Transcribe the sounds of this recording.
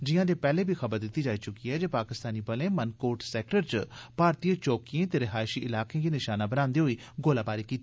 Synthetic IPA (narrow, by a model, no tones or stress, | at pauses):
d͡ʒɪjãːd̪eːpɛːleːbʱiːxʰəbəɾd̪ɪt̪ːiːd͡ʒaːiːt͡ʃʊkiːɦɛːd͡ʒeːpaːkɪst̪aːniːbəlẽːmənkoːʈsɛːk̚ʈəɾt͡ʃpaːɾt̪iət͡ʃoːkiẽːt̪eːɾɪɦaːɪʃiːʔɪlaːkẽːɡenɪʃaːnãːbənãːnd̪eːɦoːiːɡoːlaːbaːɾikiːt̪ː